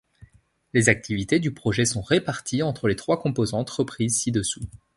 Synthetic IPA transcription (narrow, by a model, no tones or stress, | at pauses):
lezak̚t̪ʰivit̪ed̪ypχɔʒɛsɔ̃ʁepaʁt̪ʰiɑ̃t̪χəlet̪χwakɔ̃pozɑ̃t̪ʁəpχizsid̪əsu